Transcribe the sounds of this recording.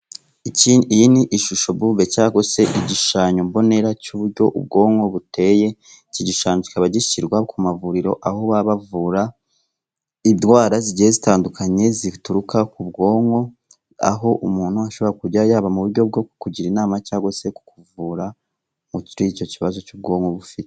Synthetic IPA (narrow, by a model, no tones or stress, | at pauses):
iciiniʔiʃuʃo̞bube̞caːɡo̞se̞ʔiɟiʃaːɲombo̞ne̞ɾacuβuɾɟo̞ʔṵb̚ɡo̞ːŋɡo̞βute̞je̞ | ciɟiʃaːɲoci̥kaβaɟiciɾɡwakʰumavuɾiɾo̞ʔahoβaβavuːɾa | idwaːɾaziɟihezitaːndukʰaɲe̞zituɾukakubɡo̞ːŋo̞ | a̰ɦo̞ʔumuːn̥huaʃo̞βo̞ɾakuɟajaːβamuβuɾɟo̞b̚ɡo̞ku̥kuɟiɾinaːmat͡ʃaːɡo̞se̞ku̥kuvuːɾa | muciɾiːt͡ʃo̞ciβazo̞t͡ʃuːb̚ɡo̞ːŋɡo̞βufite